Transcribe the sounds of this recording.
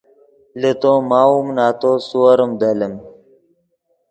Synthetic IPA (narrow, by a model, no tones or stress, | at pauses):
let̪oːmaːumnaːt̪oːsuɐɾəmd̪ɐləm